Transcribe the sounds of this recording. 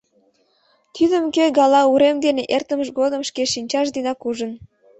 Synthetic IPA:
t̪ʰyd̪əmkeɡɑlɑuɾemd̪eneʔert̪ə̆mə̆ʃɡod̪əmʃkeʃinʲt͡ɕɑʃ̬d̪inɑkuʒən

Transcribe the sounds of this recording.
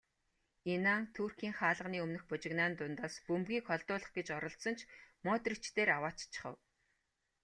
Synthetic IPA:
enaːŋt̪ʰuːrxʲiːŋχaːɮə̆ʁniːɵmnɵ̆xpʊt͡ɕɪ̆ɣnaːnt̪ʊnt̪aːspɵmɣiːkχɔɮt̪ʊːɮə̆χɡet͡ɕɔɾɞ̆ɬt̪sɞ̆nt͡ɕʰmɔːt̪rĭt͡ɕt̪eːɾawaːt͡ɕt͡ɕʰɪ̥̆χə̰̆w

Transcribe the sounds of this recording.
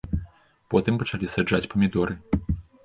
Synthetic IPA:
pɔt̪ɨmpɐt͡ʂalʲisad͡ʐat͡sʲpɐmʲid̪ɔɾɨ

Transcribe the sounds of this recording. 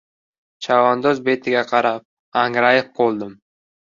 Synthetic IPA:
t͡ʃʰavand̪ozbe̞t̪ʰɪɡʲaqʰɑɾap̚ | aŋɾajɪp̚qʰolˠd̪ɪm

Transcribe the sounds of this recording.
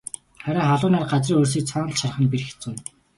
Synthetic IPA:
χæɾʲaːχaɮʊːnaːrɢat͡sriːŋoːrs̬iːk̚t͡sʰɔːnə̆ɮʃar̆χə̆npirxet͡sun

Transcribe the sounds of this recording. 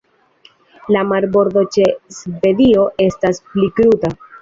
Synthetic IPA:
lamaɾbo̞ɾdo̞t͡ʃe̞sve̞dio̞ʔe̞stasplikɾuta

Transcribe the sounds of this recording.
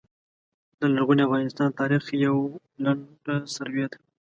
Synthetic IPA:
d̪əlaɾɣuniavɣɑnɪst̪ɑnt̪ɑɾɪxjaw | laɳɖasaɾwead̪a

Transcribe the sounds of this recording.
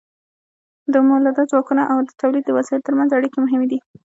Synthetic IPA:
d̪əmolad̪ɑzwɑkunaʔawd̪ət̪awlid̪̚ːəwasijt̪t̪əɾmanzaɽikemʊɦɪmed̪i

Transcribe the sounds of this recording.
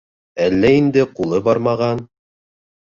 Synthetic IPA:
ælːæind̪ɘqulˠɤbɑɾmɑʁɑn

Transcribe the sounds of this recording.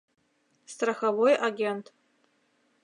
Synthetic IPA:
straxavo̞jaɡʲentʰ

